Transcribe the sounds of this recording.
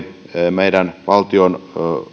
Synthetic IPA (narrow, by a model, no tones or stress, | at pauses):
meidænʋɑlt̪ion